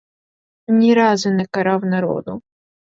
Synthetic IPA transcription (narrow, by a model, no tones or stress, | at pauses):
nʲiɾɑzʊnɛkɐɾɑwnɐɾɔ̰d̪ʊ